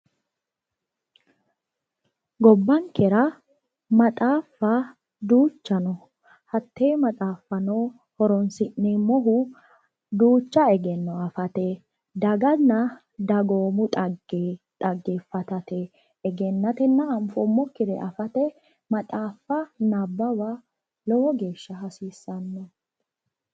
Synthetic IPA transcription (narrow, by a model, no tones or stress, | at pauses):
ɡɔbːɐŋkɛɾɐ | mɐt̪ʼaːfɐ | d̪uːt͡ʃːɐnɔ | hɐt̪ʰːeːmɐt̪ʼaːfːɐnoː | hɔɾɔnsɪʔːemɔɦʊ | d̪uːt͡ʃːɐɛɡɛnːɔɐfɐt̪ɛ | d̪ɐɡɐnːɐ | d̪ɐɡoːmʊt̪ʼɐɡet̪ʼɐɡːeːfɐt̪ɐt̪ɛː | ɡɛnːɐt̪ɛnːɐɐmfɔmːɔkːɪd̪ɛ̰ʔɐfɐt̪ɛ | mɐt̪ʼaːfːɐnɐbːɐwa | lɔhɔɡe̞ːʃːɐɦɐsiːsːɐnːɔ